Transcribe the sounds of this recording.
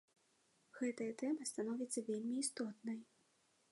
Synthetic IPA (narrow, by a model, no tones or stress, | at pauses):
ɣɛt̪ɐjɐt̪ɛmɐst̪anɔvʲit̪sːɐvʲelʲmʲiːst̪ɔt̪̚nɐj